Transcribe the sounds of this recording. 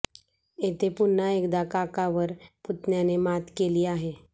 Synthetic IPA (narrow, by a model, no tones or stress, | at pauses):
et̪epʊnːaeːkd̪akakaʋəɾpʊt̪njanemat̪keliːaɦe